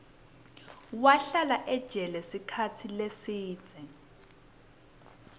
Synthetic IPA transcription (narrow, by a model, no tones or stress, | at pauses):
waɬalaʔɛd̥ʒ̥ʱɛlɛsikʰatʰilesiːd̥d͡z̥ʱɛ